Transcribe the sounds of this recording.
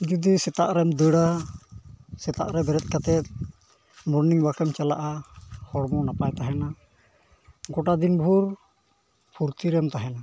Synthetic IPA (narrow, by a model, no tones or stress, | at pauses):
d͡ʒud̪isɛt̪aʔɾɛmd̪əɽa | sɛt̪a̰ʔɾɛbɛɾɛt̪̚kat̪ɛt̪̚ | mɔɾniŋbakɛmt͡ʃala̰ʔahɔɽmɔnapajt̪aɦɛna | ɡɔʈad̪inbʱuɾ | pʰuɾt̪iɾɛmt̪aɦɛna